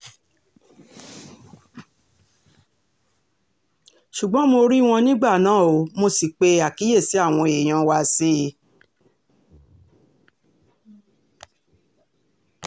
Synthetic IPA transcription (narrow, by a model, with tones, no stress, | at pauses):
ʃu˨ɡ͡bɔ̃˨˦mo˧ɾi˦w̃ɔ̃˧nĩ˦ɡ͡ba˦˨nãː˨˦˨o˨˧˦mo˧si˨k͡pe˧˦a˨ki˨˦je˦˨si˨˦a˦˨w̃ɔ̃˧e˨j̃ã˧wa˧se˦˧˦